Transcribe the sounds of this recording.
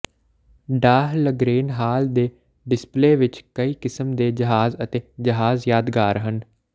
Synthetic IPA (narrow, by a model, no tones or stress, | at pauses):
ɖaːɦləɡɾeːnɦaːld̪eː | ɖɪspleːʋɪt͡ʃkəiːkɪsəmd̪eːd͡ʒəɦaːzət̪eːd͡ʒəɦaːzjaːd̪ɡaːɾɦən